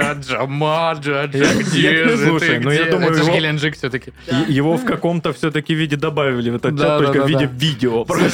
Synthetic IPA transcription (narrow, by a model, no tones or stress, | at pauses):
aʐɐmaʐɨɐɡdʲslˠuʂəjnujauməjʊɡʲɪlʲɪnʐɨkfsʲɵt̪əkʲɪjɪvo̞fkɐko̞mt̪əfsʲɵt̪əkʲɪvʲidʲɪd̪ɐbavʲɪlʲɪvɛt̪ət̪d̚t͡ʃat̪ːolkəvvidɪvʲidʲɪopɾo